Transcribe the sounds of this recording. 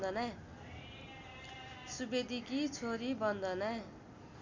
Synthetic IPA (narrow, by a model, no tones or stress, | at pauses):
d̪ʌna | subed̪ʱikit͡sʰoɾibʌnd̪ʱʌna